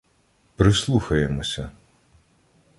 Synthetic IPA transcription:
pɾɪslˠuxɐjemɔsʲɐ

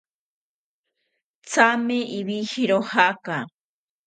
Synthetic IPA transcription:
t͡sameʔiβihiɾohaka

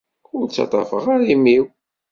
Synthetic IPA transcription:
ʊɾt͡sːɑ̰t̪ˤɑ̰fəʁaɾimiw

